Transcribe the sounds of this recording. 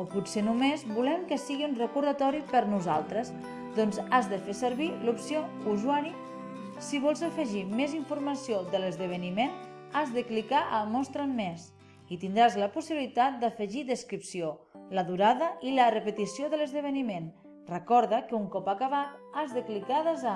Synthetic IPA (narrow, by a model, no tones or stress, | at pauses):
opusenumezbulɛmkəsiɣiunrəkuɾðət̪ɔɾipəɾnuza̰lˠt̪ɾəsz | d̪ɔnzazðəfesəɾβilupsio | uzwaɾi | siβɔlˠzəfəʒimeziɱfuɾməsiod̪ələzðəβənimen | azðəklikaʔəmɔst̪ɾəmːes | it̪ind̪ɾazləpusiβilit̪at̪̚d̪əfəʒid̪əskɾipsio | ləðuɾaðəʔilərəpət̪isioðələzðəβənimen | rəkɔɾðəkəuŋkɔpakaβat̪azðəklikaðəza